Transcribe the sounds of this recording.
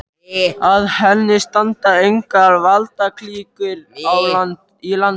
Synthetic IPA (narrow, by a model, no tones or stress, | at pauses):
aðhɛnːɪst̪ant̪aejŋkaːðvalt̪akʰliːkʏlawlant̪ | ilan